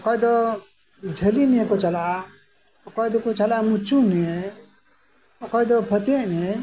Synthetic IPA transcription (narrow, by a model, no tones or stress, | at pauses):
kɔɛd̪ɔ | d͡ʒʱəlinɛkɔt͡ʃala | kɔjd̪ɔkɔt͡ʃalamut͡ʃunɛ | ɔkɔjd̪ɔpʰət̪ɛʔnɛ